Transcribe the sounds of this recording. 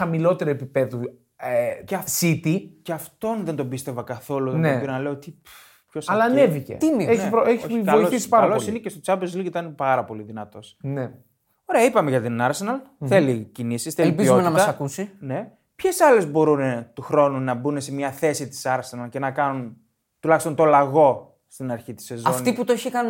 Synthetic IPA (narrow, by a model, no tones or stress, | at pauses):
ɐmilo̞t̪e̞ɾoepipe̞ðu | eceɐsit̪iceɐft̪o̞nðe̞nd̪o̞bist̪e̞vɐkɐθo̞luðeneobɾonɐleoot̪ip | pçosɐlɐːnevicḛt̪imieçiɾoeçivoioθisi̥pɐɾɐlosinecest̪ot͡sɐpezliit̪ɐnepɐɾɐpo̞liðinɐt̪o̞sne | o̞ɾeɐipɐme̞ʝɐt̪inɐɾsenɐlθe̞licinisisθellpizonɐmɐt̪ɐsɐkusine̞ | pçe̞sɐle̞zbo̞ɾunet̪uxɾo̞nunɐbunese̞mɲɐθe̞sit̪i̥sɐɾsenɐlce̞nɐkɐnun | t̪ulɐçist̪o̞nt̪o̞lɐɣo̞ | st̪inɐɾçit̪i̥se̞zɐofnt̪iput̪oeçkɐn